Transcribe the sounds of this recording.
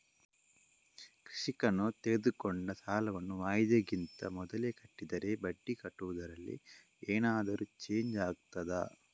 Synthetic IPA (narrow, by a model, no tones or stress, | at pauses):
kɾiʂikɐnut̪eːed̪ukɔɳɖɐsaːlɐʋɐnːuʋaːjd̪jɐɡint̪ɐ̰mɔd̪ɐleːkɐʈːid̪ɐɾe̞bɐɖːikɐʈːuʋud̪ɐɾɐlːḭ | eːnaːd̪ɐɾut͡ʃe̞ːɲd͡ʒaːɡ̚t̪ɐd̪ɐ